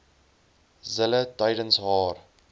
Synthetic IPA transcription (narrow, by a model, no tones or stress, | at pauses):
zələtɐjdənsɦɑːr